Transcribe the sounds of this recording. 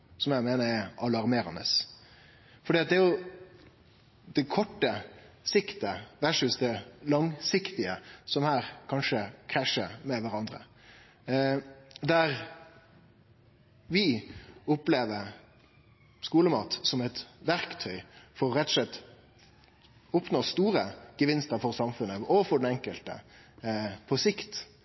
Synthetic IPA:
sɔmjæɪmeːnəɾɛʔɑlɑʁmeːɾɑnə̰s | fɔɖiːɑt̪̚d̪ɛæɾjʊ | d̪ɛkʰɔʈːəsɪkt̪əʋæʂʉsd̪ɛlɑŋsɪkt̪ɪəsɔmhæːɾkʰɑnʂəkʰɾæʂəmɛʋæɾɑnd̪ɾə̰ | d̪æɾ | ʋɪʊpleːʋəɾ | skuːləmɑ̰ːt̪sɔmɛt̪ʋæɾkt̪ʰœʏfɔɾʁɛt̪ːɔslɛt̪ː | ʊpnoːst̪uːɾəɡ̥əʋɪnst̪əɾfɔɾsɑmfʉnːəɔfɔɖɛnɛŋkəlt̪ə̰ | pʰɔsɪkt̪

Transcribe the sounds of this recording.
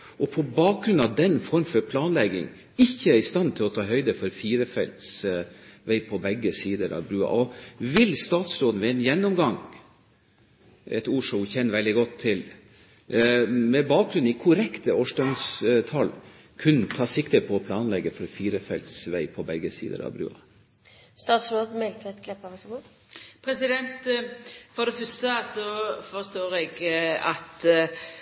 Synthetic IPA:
ʔɔpʰɔbɑːk̚ɡɾʉnɑʋd̪ɛnːfɔɾmfɔɾpʰlɑːnlɛɡɪ̰ŋ | ɪçːəæɾɪst̪ɑnt̪ʰɪlɔt̪ʰɑːɦœʏd̪əfɔɾfiːɾəfɛ̰lt̪s | ʋæɪpʰɔbɛɡːəsiːd̪əɾɑ̰ʋbɾʉːɑ̰ʔɔʋɪlst̪ɑːt̪sɾoːd̪n̩ʋɛɛnjɛnːɔmɡɑŋ | ɛt̪uːʂʊçɛnːəʋɛld̪ɪɡɔt̪ʰːɪl | mɛbɑːk̚ɡɾʉnikʰʊɾɛkt̪əoːʂdœmst̪ʰɑl | kʰʉnːət̪ʰɑːsɪkt̪əpʰɔːpʰlɑːnlɛɡːəfɔɾɔfiːɾəfɛlt̪sʋæɪpʰɔbɛɡəsḭːd̪ə̰ɾɑ̰ʋbɾʉ̰ːɑ̰ | st̪ɑːt̪sɾoːd̪̩mɛlt̪əɛt̪ɡlɛpːɑʋæfɔɡoː | pʰɾɛsɪd̪ɛnt̪ | fɔd̪ɛfœst̪əɑsɔfɔɾst̪oːɾɛɡɑt̪

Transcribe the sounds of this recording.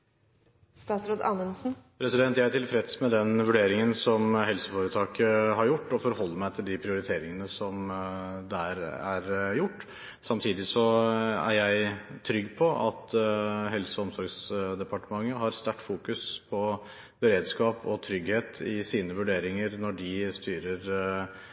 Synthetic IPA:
st̪ɑːsɾoːd̪ɑ̰nənsn̩pʰɾɛsɪd̪ɛnt̪jæɪæʈɪlfɾɛt̪smɛd̪ɛnʋʉɖeːɾɪŋənsɔmɦɛlsəfoːɾət̪ʰɑːkəɦɑɾjʊʈːɔfɔɾhɔlːəmæɪt̪ʰɪld̪ɪpʰɾɪʊɾɪt̪ʰeːɾɪŋənəsɔmd̪æɾæɾjʊʈː | sɑmt̪ʰiːd̪ɪsɔæ̰ɾjæɪt̪ʰɾʏɡːpʰɔʔɑt̪ɦɛlsɔɔmsɔɾɡsd̪ɛpɑʈəmɑŋːəɦɑɾst̪æʈːfuːkʉspʰɔ | bəɾeːd̪skɑːpɔt̪ʰɾʏɡheːt̪ʰɪsiːnəʋʉɖeːɾɪŋəɾnɔɖɪst̪yːɾəɾ

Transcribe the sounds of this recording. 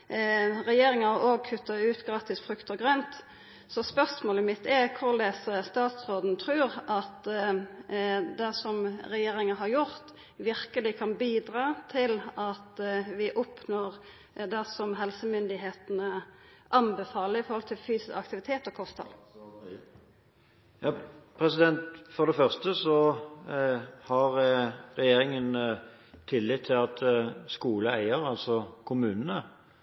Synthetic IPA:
ɾɛjeːɾɪŋəɑoːɡ̚kʰʉt̪ːɑʉːt̪ɡɾɑːt̪ɪsfɾʉkt̪ɔɡʁœnt̪ | sɔspœʁsmoːləmɪt̪ʰːɛkʰʊʁleːsəst̪ɑːt̪sʁoːd̪n̩t̪ʰɾʉːɾʔɑt̪ | d̪æsɔmɾɛjeːɾɪŋɑɦɑɾjʊʁt̪ | ʋɪʁkəlɪkʰɑnbiːd̪ɾɑːt̪ʰɪlɑt̪ʋɪʔʊpnoːʁ | d̪ɛsɔmɦɛlsəmʏnd̪ɪɦeːt̪nəʔɑnbəfɑːləɾɪfɔɾhɔlt̪ʰɪlfyːsɪsɑkt̪ɪʋɪt̪ʰeːt̪ɔkʰɔst̪ʰɑ̰l | jɑːpʰʁɛsɪd̪ɛnt̪fɔʁd̪ɛfœʁst̪əsɔ | hɑʁɾɛjeːɾɪŋən | t̪ʰɪlːɪt̪ʰːɪlɑt̪skuːləæɪəɾɑlsɔkʰʊmʉːnənə

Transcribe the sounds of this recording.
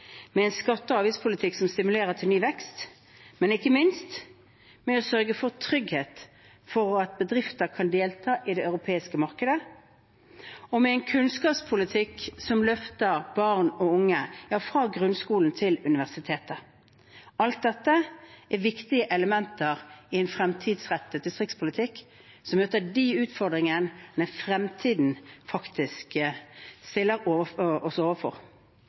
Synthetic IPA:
mɛɛɪnskɑt̪ːəɑːʋɪːspʰʊlɪt̪ʰɪksɔmst̪ɪmʉleːʁət̪ʰɪlnyːʋɛkst̪ | mɛnɪkːəmɪnst̪ | mɛɔsœʁɡəfɔʁt̪ʰɾʏɡheːt̪ | fɔɾɑt̪̚bəd̪ʁɪft̪əɾkʰɑnd̪eːlt̪ʰɑːʔɪd̪ɛɑʉɾʊpʰeːɪskəmɑʁkəd̪ə | ɔmɛɛɪnkʰʉnskɑːpspʰʊlɪt̪ʰɪksɔmlœft̪əɾb̥ɑʁnɔʊŋːəjɑːfɾɑːɡʁʉnskuːln̩t̪ʰɪlʉnɪʋæʁsɪt̪ʰeːt̪ə | ɑlt̪̚d̪ɛt̪ːəʔæʋɪkt̪ɪəʔɛləmɛnt̪əɾɪɛnfʁɛmt̪ʰiːd̪sʁɛt̪ːəd̪ɪst̪ʁɪkspʰʊlɪt̪ʰɪkː | sɔmmøːt̪əɖiʉːt̪fɔʁd̪ʁɪŋənnəfʁɛmt̪ʰiːd̪n̩fɑkt̪ɪsk | st̪ɪlːəɾoːʋəɔɔsoːʋəfɔ̰ʁ

